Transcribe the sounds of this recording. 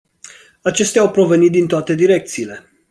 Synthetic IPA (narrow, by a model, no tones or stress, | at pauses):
at͡ʃe̞st̪eawpɾo̞ve̞nit̪̚d̪int̪oat̪e̞d̪iɾe̞k̚t̪siːle̞